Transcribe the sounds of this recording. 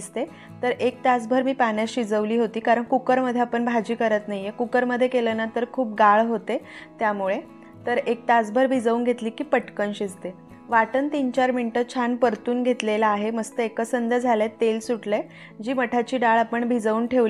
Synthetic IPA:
st̪e | t̪əɾʔek̚t̪at͡sbʱəɾmiːpanjaɕid͡zəʋliːɦot̪iːkaɾəɳkukəɾməd̪ʱːjeapəɳbʱad͡ʑiːkəɾət̪naɦijekukəɾməd̪ʱːjekelənat̪əɾkʰuːp̚ɡaɭɦot̪e | t̪jamuɭe | t̪əɾek̚t̪at͡sbʱəɾbʱid͡zəʋuːnɡʱet̪liːkiːpəʈkənɕid͡zt̪e | ʋaʈənt̪iːnt͡ɕaɾminʈət͡ɕʰanpəɾt̪uːnɡʱet̪lelaaɦeməst̪əekəsənd̪əd͡zʱalet̪elsuʈle | d͡ʑiːməʈʰat͡ɕiːɖaɭapəɳbʱid͡zəuːnʈʰeʋ

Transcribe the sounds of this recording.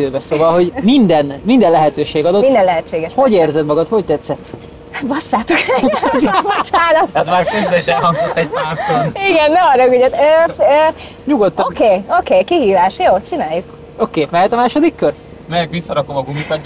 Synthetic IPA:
øːbɛsoːvɒlɦo̞ɟmind̪ɛnmind̪ɛnlɛɦɛt̪øːʃeːɡɒd̪omind̪ɛnlɛɦɛt͡ʃːeːɡɛʃho̞ɟeːrzɛd̪mɒɡɒt̪ho̞ct̪ɛt̪sɛt̪ː | vɒsːaːt̪ukzbot͡ʃaːnɒt̪ɛzmaːrsimbɛniʃɛlɦɒŋɡzot̪ːɛɟ̚paːrsoniɡɛnːɛɒɾøɡyɟɛt̪øːø | ɲuɡot̪ːokeːokeːkiɦiːvaːʃjoːt͡ʃinaːjuk | okeːmɛɦɛt̪ɒmaːʃo̞d̪ikːør | mɛjɛkʋisːɒɾɒkomɒɡumit̪ɒ

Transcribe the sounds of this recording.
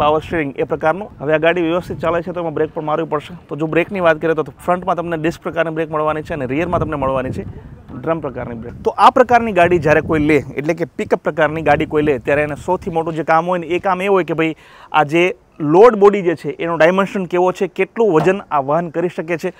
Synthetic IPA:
paʋəɾʃelĩŋɡepɾəkaɾnũɦəʋeaɡaɽiʋjəʋəst̪ʰit̪t͡ʃalet͡ʃʰet̪oemãbɾek̚pəɳmaɾjũpəɽʃet̪od͡ʒobɾekniʋat̪̚kəɾiet̪ot̪ofɾəɳʈmãt̪əmneɖɪsk̚pɾəkaɾnibɾekməɭʋanit͡ʃʰeəneɾijəɾmãt̪əmneməɭʋanit͡ʃʰeɖɾəmpɾəkaɾnibɾekt̪oʔapɾəkaɾniɡaɽid͡ʒjaɾekoileḛʈlek̬epikəpːɾəkaɾniɡaɽikoilet̪jaɾenesəwt̪ʰimoʈũd͡ʒekamɦojneekameɦojkebʱəi | a̰d͡ʒe | loɾɖbɔɽid͡ʒet͡ʃʰeʔenõɖajmenʃənkeʋot͡ʃʰekeʈlũʋəd͡ʒənaʋəɦənkəɾiʃəket͡ʃʰe

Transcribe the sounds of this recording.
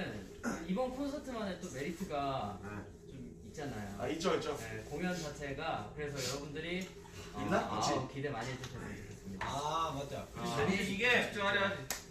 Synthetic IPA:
ɯn | ibʌnpʰuɾonsʰatʰɯmanet͈ome̞ɾitʰɯɡa | t͡ɕom | it̚t͡ɕ͈anajo̰a̰it͡ɕ͈oit͡ɕ͈oje̞koŋjʌnt͡ɕʰat͡ɕʰe̞ɡakɯɾe̞sʰʌjʌɾʌbundɯɾi | inːaakʰidemaɲiɦed͡ʑuɕʰʌdeikʰes͈ɯmɲidamad͡ʑakiɡet͡ɕoaɾjʌd͡ʑ

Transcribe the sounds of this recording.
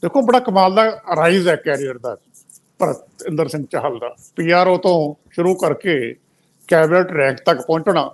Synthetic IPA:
d̪eːkʰõːbəɽaːkəmaːld̪aːəɾaːizɛːkɛːɾijəɾd̪a̰ːd͡ʒ | pəɾ | ɪ̃nd̪əɾsɪ̃ŋɡ̚t͡ʃəɦəld̪a̰ː | piːaːɾoːt̪õːʃʊɾuːkəɾkeː | kɛːbneːʈɾɛ̃ːkt̪əkpɔ̃ːɲt͡ʃnaː

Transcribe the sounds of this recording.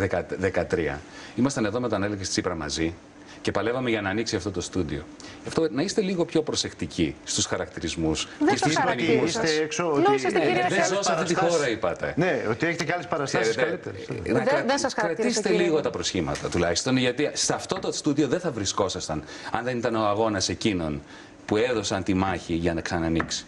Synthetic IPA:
ðekɐðekɐt̪ɾiɐ̰ | imɐst̪ɐne̞ðome̞t̪ɐneleɣest̪t͡sipɾɐmɐ̰zi | ce̞pɐle̞vɐme̞ʝɐnɐːniksiɐft̪o̞t̪o̞st̪ud̪ḭo̰ | ɐft̪onɐist̪e̞liɣo̞pço̞pɾo̞se̞kt̪icist̪usxɐɾɐkt̪iɾizmusesusɐniuseeksooðenzosɐfit̪ixoɾɐipɐt̪e̞neot̪ieçet̪ecalespɐɾɐst̪eɾest̪lit̪eɾnɐɐðɐskɾɐt̪iset̪eliɣot̪ɐpɾo̞sçimɐ̰t̪ɐt̪ulɐçi̥st̪onʝɐt̪isɐft̪o̞t̪ost̪uðio̞ðe̞nθɐvɾisko̞sɐst̪ɐn | ɐnðe̞nit̪ɐno̞ɐɣo̞nɐse̞cino̞̰n | pue̞ðo̞sɐnt̪imɐçiʝɐnɐksɐnɐniksi̥

